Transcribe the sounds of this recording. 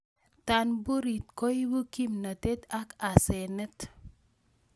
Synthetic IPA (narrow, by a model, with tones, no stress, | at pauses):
tanbu˦ɾi˨t̚ko˦jbu˦ki˦mnə˨te˦t̪a˦ka˨se˨nə˦t